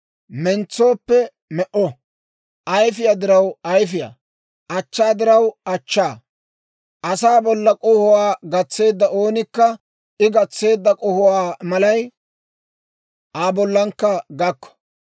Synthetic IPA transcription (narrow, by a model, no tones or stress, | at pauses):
mɛnt͡sːo̞ːpːɛ | mɛʔɔ | ʔɐjfɪjaːd̪ɪɾɐwɐjfɪja̰ː | ʔɐt͡ʃːaːd̪ɪɾɐwɐt͡ʃːaː | ʔɐsaːbɔlːɐkʼɔhʊwaːɡɐt͡sːe̞ːd̪ːɐʔo̞ːnɪkːɐ | ɪɡɐt͡sːe̞ːd̪ːɐkʼɔhʊwaːmɐlɐj | ʔaːbɔlːɐŋkːɐɡɐkːɔ̥